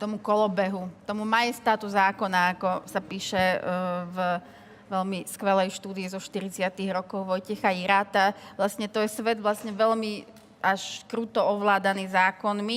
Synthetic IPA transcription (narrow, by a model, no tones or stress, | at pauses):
t̪ɔmukɔlɔbɛɦut̪ɔmumajɛst̪at̪uzaːkɔnaakɔsapiːʃɛv | ʋɛʎmiskʋɛlɛjʃt̪uːd̪iizɔʃt̪iɾit͡sɪat̪iɣɾɔkɔʊʋɔjcɛxaiɾaːt̪aʋlasɲɛt̪ɔjɛsʋɛd̪ʋlasɲɛʋɛʎmi | aʃkɾuːt̪ɔɔʋlaːd̪aniːzaːkɔnmi